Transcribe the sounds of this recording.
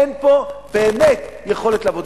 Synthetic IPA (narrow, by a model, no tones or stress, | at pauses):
enpo̞beːmet̪jeχo̞let̪leavod̪